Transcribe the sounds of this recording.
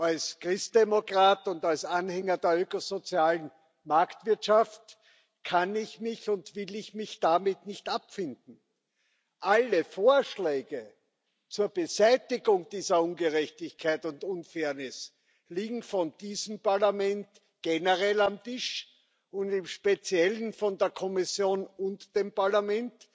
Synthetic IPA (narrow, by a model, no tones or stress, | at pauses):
alskʁɪst̚d̥emokʁaːtʊntalsanhɛŋɐdeːɐøːkozot͡sjaːlən | maɐktv̥ɪɐtʃaft | kʰanɪçmɪçʊntvɪlɪçmɪçd̥amɪtnɪçtapfɪndn̩ | ʔaləfoːɐʃleːɡə | t͡suːɐb̥əzæɪtɪɡʊŋd̥iːzɐunɡəʁɛçtɪçkʰaɪtʊntʊnfɛːɐnɪs | liːɡŋ̩fɔnd̥iːzəmpaɐlamɛnt | ɡ̥enəʁɛlamtɪʃ | ʊntɪmʃpet͡sjɛlənfɔndeːɐkʰɔmɪsjoːnʊntd̥eːmpaɐlamɛnt